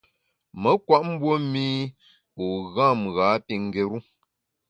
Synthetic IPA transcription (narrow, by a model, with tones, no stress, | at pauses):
mə˦kwa˦ʔm̩˦bwo˦mi˦ | o˨ɣã˦˨mɣa˨˦pi˨ŋ̩˦˨ɡe˨ɾu˦